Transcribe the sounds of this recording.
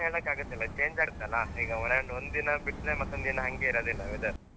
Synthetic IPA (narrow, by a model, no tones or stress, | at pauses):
eːɭɐkːaːɡɐt̪ːɐlːɐt͡ʃeːɲd͡ʒaːɾt̪ːɐlːɐiːɡɐɔneɳɖond̪d̪inɐbiʈneːmɐt̪ːond̪d̪inɐɦɐŋɡeiɾɐːd̪inaʋid̪ɯ